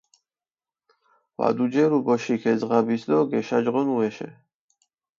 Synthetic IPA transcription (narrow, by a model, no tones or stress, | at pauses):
va̰d̪ud͡ʒɛɾubɔʃikʰɛzʁabisd̪ɔɡɛʃad͡ʒʁɔnuɛʃɛ̰